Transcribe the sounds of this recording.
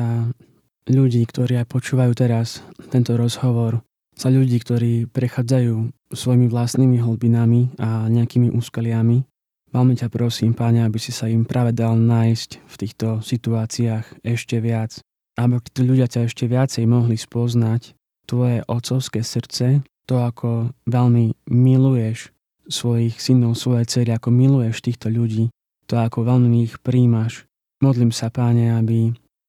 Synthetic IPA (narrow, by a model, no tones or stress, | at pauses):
a | ʎuɟiːkt̪ɔɾiːajpɔt͡ʃuːʋajuːt̪ɛɾast̪ɛnt̪ɔɾɔzɦɔʋɔɾ | saʎuɟiːkt̪ɔɾiːpɾɛxaːd͡zajuː | sʋɔjimiʋlast̪niːmiɦɔl̩binamiaɲɛakiːmiʔuskɛlɪami | ʋalmɛcapɾɔsiːmpaɲɛabisisaimpɾʔaːʋɛd̪alnaːjscft̪iːxt̪ɔsit̪uaːt͡siaːxɛʃcɛʋɪat͡s | abɔt̪iːt̪ɔʎuɟɪacaɛʃcɛʋɪat͡sɛjmɔɦlispɔznac | t̪ʋɔjɛʔɔt̪t͡sɔʊskɛːsr̩t͡sɛt̪ɔakʰɔʋɛʎmimilujɛʃ | sʋɔjixsinɔʊsʋɔjɛt͡sɛɾiakɔmilujɛʃt̪iːxt̪ɔʎuɟiː | t̪ɔakɔʋɛlmiixpɾiːmaʃ | mɔd̪liːmsapaɲɛabi